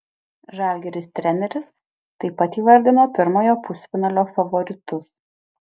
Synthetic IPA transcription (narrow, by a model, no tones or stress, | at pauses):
ʒɑːˑlʲɡʲɛɾʲɪst̪ʲɾʲɛnʲɛɾʲɪs | t̪ɐɪpɐt̪iːʋɐɾʲd̪ʲɪnoːpʲɪɾmoːjoːpʊsʲfʲɪnɐlʲoːfɐʋɔɾʲɪt̪ʊs